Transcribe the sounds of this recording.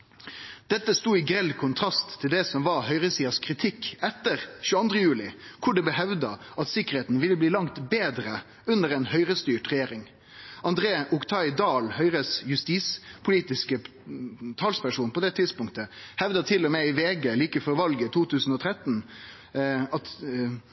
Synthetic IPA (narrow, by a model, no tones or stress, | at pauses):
d̪̥ɛt̪ːəst̪uːɪɡɾɛlkʰʊnt̪ʰɾɑst̪ʰːɪld̪ɛsɔmʋɑɾhœʏɾəsiːɑskʰɾɪt̪ʰɪkːɛt̪ːəɾʃʉːəɑnd̪ɾəjʉːlɪkʰʊɖɛbəɦɛʋd̪ɑ | ʔɑt̪sɪkəɾheːt̪n̩ʋɪlːəbliːlɑŋt̪beːd̪ɾə | ʉnəɾɛnhœʏɾəst̪yːʈʁɛjeːɾɪŋ | ʔɑnd̪ɾeːʔʊkt̪ʰɑɪd̪ɑːlhœʏɾəsjʉst̪iːspʰʊliːt̪ɪskə | t̪ʰɑlspʰæʂuːnpɔd̪ɛt̪ʰɪd̪spʊŋt̪əhɛʋd̪ɑt̪ʰɪlːɔmeɪʋeːɡəliːkəfɔɾʋɑlɡət̪ʰuːt̪ʰʉːsn̩ɔt̪ʰɾɛt̪n̩ | ɑt̪